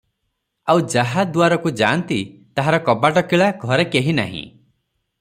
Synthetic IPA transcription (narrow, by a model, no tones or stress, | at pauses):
awd͡ʒaɦad̪waɾɔkud͡ʒa̰nt̪it̪aɦaɾɔkɔbaʈɔkiɭaɡʱɔɾekeɦina̰ɦḭ̃